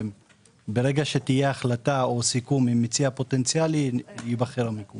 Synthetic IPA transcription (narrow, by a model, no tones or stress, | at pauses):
m | beʁe̞ɡaʃet̪ijeaχlat̪ao̞sikumimit͡siapo̞t̪e̞nt͡sialiibaχeɾameku